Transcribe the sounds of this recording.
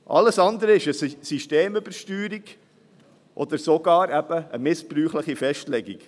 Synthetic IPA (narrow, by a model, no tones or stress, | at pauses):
ʔɑ̰ləsɑnd̪əɾəɪʃəssiʃteːmʏb̥əɾʃtyːɾiɡ | ʔɔ̰d̪əɾsoɡɑːɾæb̥əəmɪspɾyːχləχifɛʃtlɛɡḭɡ̥